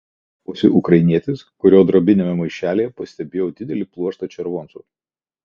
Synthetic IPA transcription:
osʲɪʔʊkɾɐɪnʲiɛt̪ʲɪskʊɾʲoːd̪ɾoːbʲɪnʲeːmʲɛmɐɪʃʲæːlʲeːjɛpɐsʲt̪ʲɛbʲeːjoːd̪ʲɪd̪ʲɛlʲiplˠuɔʃt̪ɐt͡ʃʲɛɾʋoːnsṵː

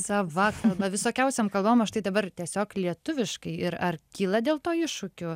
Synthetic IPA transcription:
sɐʋɐkɐlˠbɐʋʲɪsoːkʲɛʊsʲɛmkɐlˠbʋoːmɐʃt̪ɐɪd̪ɐbɐrt̪ʲiɛsʲoːklʲiɛt̪ʊʋʲɪʃkɐɪɪɾɐrkʲiːlˠɐd̪ʲeːlˠt̪oːɪʃʊkʲʊ

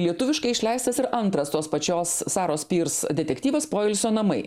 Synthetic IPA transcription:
lʲiɛt̪ʊʋʲɪʃkɐɪɪʃʲlʲɛɪst̪ɐsɪɾɐnt̪ɾɐst̪oːspɐt͡ʃʲoːsːɑːɾoːspʲiːɾsd̪ʲɛt̪ʲɛkt̪ʲiːʋɐspoːɪlʲsʲoːnɐmɐɪ

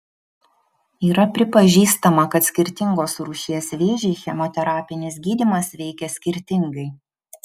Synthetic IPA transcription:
iːɾɐpʲɾʲɪpɐʒʲiːst̪ɐmɐkɐt̪sʲkʲɪɾʲt̪ʲɪŋɡoːsɾuːʃʲiɛsʋʲeːʒʲɛɪxʲɛmʲɔt̪ʲɛɾɑːpʲɪnʲɪsɡʲiːd̪ʲimɐsʋʲɛɪkʲɛsʲkʲɪɾʲt̪ʲɪŋɡɐɪ

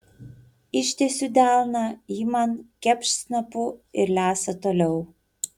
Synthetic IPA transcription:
ɪʃʲt̪ʲɛsʲud̪ʲæˑlˠnɐiːmɐnkʲɛpʲʃʲsnɐpʊɪɾlʲæːsɐt̪oːlʲɛʊ

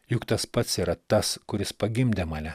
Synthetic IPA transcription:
jʊkt̪ɐspɐt̪siːɾɐt̪ɐskʊɾʲɪspɐɡʲɪmʲd̪ʲemɐlʲɛ

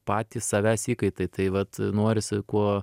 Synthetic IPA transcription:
pɑːt̪ʲiːssɑʋʲæːsʲiːkɐɪt̪ɐɪt̪ɐɪʋɐt̪noːɾʲɪsʲkuɔ

